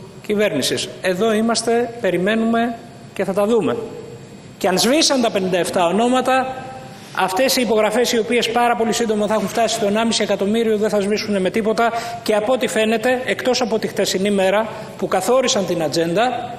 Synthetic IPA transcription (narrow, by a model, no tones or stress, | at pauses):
cive̞ɾnisise̞ðo̞imɐst̪e̞pe̞ɾime̞nume̞ | ce̞θɐt̪ɐðume̞̰ | ceɐnzvisɐnt̪ɐpe̞nind̪ɐeft̪ɐo̞no̞mɐt̪ɐ | ɐft̪e̞siːpo̞ɣɾɐfe̞sio̞pie̞spɐɾɐpo̞lisind̪o̞mɐθɐexuɱft̪ɐsit̪o̞enɐmisiekɐt̪o̞miɾioðenθɐzvisune̞me̞t̪ipo̞t̪ɐce̞ɐpoot̪ife̞ne̞t̪e̞ekt̪o̞sɐpo̞t̪ixt̪esinime̞ɾɐ | pukɐθo̞ɾisɐnt̪inɐd͡ze̞nd̪ɐ